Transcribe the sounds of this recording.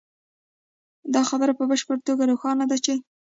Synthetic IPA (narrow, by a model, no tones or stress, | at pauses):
d̪ɑxabəɾapəbəʃpəɾt̪oɡaɾoxɑnad̪at͡ʃe